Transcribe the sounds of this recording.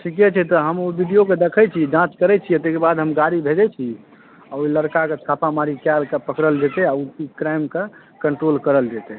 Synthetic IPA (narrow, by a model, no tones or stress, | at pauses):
sʰiket͡ʃʰɛt̪ɔɦəmobiɖijoked̪ekʰɛt͡ʃʰid͡ʒãt͡ʃkəɾɛt͡ʃʰiət̪ːekebad̪ɦəmɡaɾibʱed͡ʒɛt͡ʃʰi | aoiləɾkaket͡ʃʰapamaɾikjalkepəkɾəld͡ʒet̪ɛauikɾajmke | kəɳʈɾolkəɾəld͡ʒet̪ɛ